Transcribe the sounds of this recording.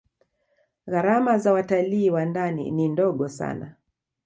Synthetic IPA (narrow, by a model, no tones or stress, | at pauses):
ɣaɾamazawataliːwandanḭnindɔɠɔsa̰na